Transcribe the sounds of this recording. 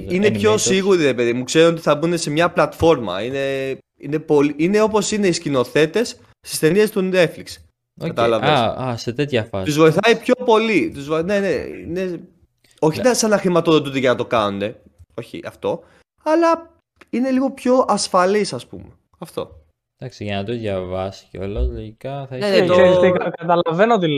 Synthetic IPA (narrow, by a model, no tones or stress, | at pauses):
ine̞pço̞siɣuɾiɾe̞pe̞ðimukse̞ɾoot̪iθɐbune̞se̞mɲɐplɐt̪fo̞ɾmɐ̰ine̞ | ine̞po̞liine̞o̞po̞sine̞iscino̞θe̞t̪e̞s | st̪ist̪e̞niest̪unet̪fliks | ɐt̪ɐlɐvesɐset̪et̪çɐfɐ̰t̪uzvo̞iθɐipço̞po̞lit̪uzvone̞neḭne̞ | o̞çinɐsɐnɐxɾimɐt̪oðot̪ut̪iʝɐnɐt̪o̞kɐnond̪e̞ | o̞çḭʔɐ̰ft̪o̞ | ɐlɐ | ine̞liɣo̞pço̞ʔɐsfɐlisɐspṵme̞ | ɐft̪o̞̰ | d̪̥ɐksiʝɐnɐt̪oðʝɐvɐsi̥ceolɐzloʝikɐθɐneðeoisikɐkɐt̪ɐlɐvenot̪i